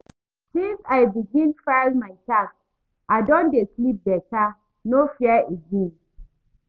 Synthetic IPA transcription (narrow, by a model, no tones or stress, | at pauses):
sĩnsajbiɡĩnfaɪlmaɪtak | ʔadõndeslip̚bɛta | nofiəeɡĩn